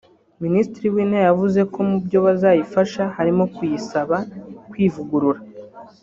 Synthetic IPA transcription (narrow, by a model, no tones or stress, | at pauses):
ministiɾiwiːnajavuze̞kʰo̞mubɟo̞βazajifaʃahaɾimo̞kjisaβakwiːvuɡuɾuɾa